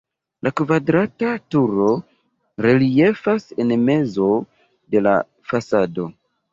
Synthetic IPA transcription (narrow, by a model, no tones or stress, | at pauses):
lʔakvadɾatatuɾo̞ | ɾelie̞fasenme̞zo̞ | de̞la̰ | fasado̞